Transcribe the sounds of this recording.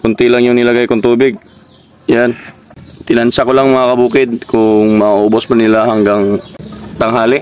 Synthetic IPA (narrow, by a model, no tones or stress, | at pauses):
kʊnt̪ɪlaŋjʊŋnɪlɐɡajkʊŋt̪uːbɪɡ̚ | jant̪ɪnɐʔansakolaŋmɐŋakɐbuːkɪd̪̚kʊŋmɐʔʔoːbospɐnɪlaɦɐŋɡaŋt̪ɐŋɦaːlɪ